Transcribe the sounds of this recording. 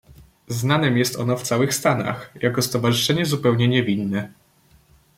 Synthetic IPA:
znanɛmjɛst̪ɔ̰nɔft̪sawɘxst̪ana̰xjakɔst̪ɔvaʐɘʂɛɲɛzupɛwɲɛɲɛvʲinːɛ

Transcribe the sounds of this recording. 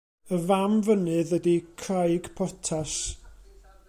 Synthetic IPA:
əvamvənɨðədikʰrajɡpʰɔtʰas

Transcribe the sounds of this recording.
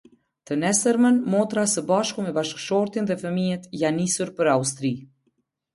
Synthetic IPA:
t̪ənɛsəɾmənmɔt̪ɾasəbaʃkumɛbaʃkʃɔɾt̪inðɛfəmijɛt̪ijanːisuɾpəɾaust̪ɾi

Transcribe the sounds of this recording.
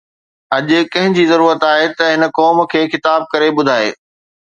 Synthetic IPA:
ɐʄʊ̆kɐ̃ɦɪ̃ɲd͡ʑizɐɾuːɾət̪aːɦet̪ɐɦɪnə̆kɔːm̆kʰeːxɪt̪aːb̚kɐɾeɓʊd̪ʱaːḛː

